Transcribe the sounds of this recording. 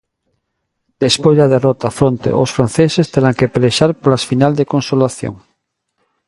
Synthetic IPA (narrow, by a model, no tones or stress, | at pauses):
d̪̥espojzðaðerɔt̪afɾõnt̪ḛʔosfɾanθesest̪eɾaŋkepeleʃaɾpolasfinald̪ekonsolaθjo̰ŋ